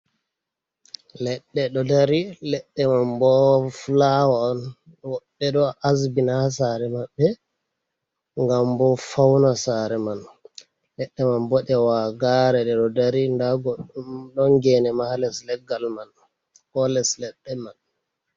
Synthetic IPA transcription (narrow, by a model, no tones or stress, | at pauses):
lɛɗːɛɗɔdaɾilɛɗːɛmambɔflawaɔn | wɔɓːɛɗɔʔasbinas̬aːɾɛmabːɛ | ŋɡambɔfawnasaɾɛman | lɛɗːɛmanbɔɗɛwaɡaɾɛɗɛɗɔdaɾindaɡɔɗɔŋɡɛnɛmahalɛslɛɡalman | kɔlɛslɛɗːɛman